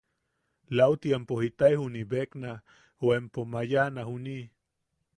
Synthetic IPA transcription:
lawt̪iempohit̪aihunibekna | oempomajanahuni

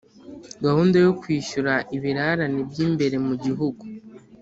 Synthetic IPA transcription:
ɡahuːndajokwiːʃuɾaʔiβiɾaɾanibɟiːmbe̞ɾe̞muɟiɦuɡu

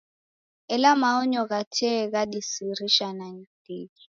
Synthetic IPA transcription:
ɛlamaʊɲɔk̬atʰɛk̬adisiɾiʃanaɲd̥eːki

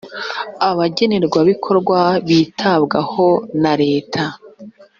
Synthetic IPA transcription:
aβaɟe̞ne̞ɾɡwaβikʰo̞ɾɡwaβitʰabɡaho̞naɾe̞ːtʰa

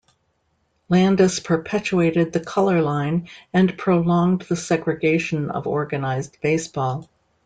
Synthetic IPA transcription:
læ̃ndɨspʰə˞pʰɛt͡ʃueɪɾɨd̪̚ðɨkʰʌlˠə˞lãɪ̃nɨ̃npʰɹ̥oʊlɔ̃ŋðɨsɛɡɹɨɡeɪʃɨ̃nʌ̰vɔ̰ɹɡɨnaɪzb̥eɪsb̥ɔlˠ

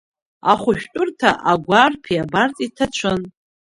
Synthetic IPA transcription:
aχʷʊʃᶣtʼʊrtʰaʔaɡʷarpʰiabartʼitʰat͡ʃʷʰɨn

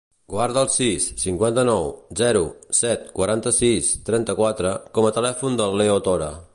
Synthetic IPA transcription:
ɡ̥waɾðəlˠsisːiŋkwant̪ənɔwzɛɾusɛt̪kwəɾant̪əsist̪ɾɛnt̪əkwat̪ɾəkɔmət̪əlɛfund̪əlːeot̪oɾə̰

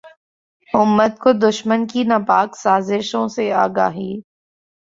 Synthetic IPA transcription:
ʊmːət̪̚kod̪ʊʃmənkinapaːksaːzɪʃõseaːɡaːɦiː

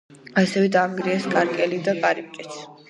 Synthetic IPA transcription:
asɛvɛd̪aːmɡɾiɛskʼaɾkʼɛlid̪aɡʼaɾip̚kʼɛt̪sʰ

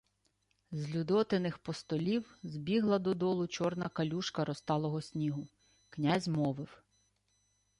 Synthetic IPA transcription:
zʲlʲud̪ɔt̪ɪnɪxpɔst̪ɔlʲiwzʲbʲiɦlˠɐd̪ɔd̪ɔlˠʊt͡ʃɔrnɐkɐlʲuʃkɐɾɔst̪ɑlˠɔɦɔsʲnʲiɦʊ | knʲazʲmɔʋɪw

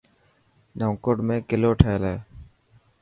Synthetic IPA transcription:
nəːkoɽmẽːkɪloːʈʰeːleː

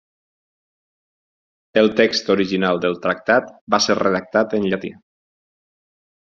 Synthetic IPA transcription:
əlˠt̪ekst̪oɾiʒinalˠd̪əlˠt̪ɾak̚t̪at̪baseɾreðak̚t̪at̪ənʎat̪ḭ

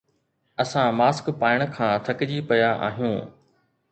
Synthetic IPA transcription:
ɐsãmaːskpaːɪɽ̃kʰãːt̪ʰɐkɪd͡ʑipɐjaʔa̰ːɦijũː

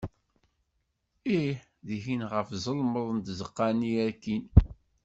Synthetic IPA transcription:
iħ | ðiçinʁəfzˤəlməðˤənt̪zəqːɑniæɾkːin

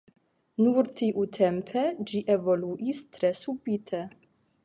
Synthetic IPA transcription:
nuɾt̪ʰiʔut̪ʰɛmpʰɛd͡ʒiʔevoluʔist̪ʰɾɛsubit̪ʰɛ

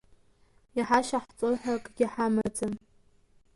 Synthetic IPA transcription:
iħaʃaħt͡sʼoħʷᶣakʼɡ̥ʲɪħamad͡zʼam

